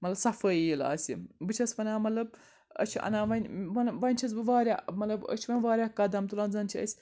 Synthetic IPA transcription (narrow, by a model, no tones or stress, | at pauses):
mɐtlɐbsɐfəjila̰ːsʲḭbɨt͡ʃʰɐspɐnʲaːmɐt̪lɐb | ɐ̰t͡ʃʰiɐ̰naːʋɐnʲɐnʋɐnʲt͡ʃʰɐzbɨʋaːɾʲamɐtlɐbə̰t͡ʃʰiʋɐnʋaːɾʲahkɐd̪ɐmt̪ulɐnzɐnt͡ʃʰiə̰sʲ